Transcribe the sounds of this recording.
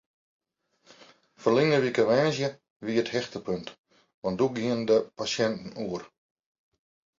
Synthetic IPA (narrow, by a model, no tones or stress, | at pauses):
fərlɪŋəʋikəʋɛːnzjə | ʋiəthɛxtəpønt | ʋɔntduɡiəndəpasjɛntn̩uər